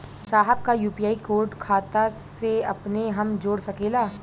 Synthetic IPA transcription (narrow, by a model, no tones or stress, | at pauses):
saːɦəb̚kajuːpijaːikoːɾɖkʰaːt̪aseɐpneɦɐmd͡ʒoːɽsɐkeːlaː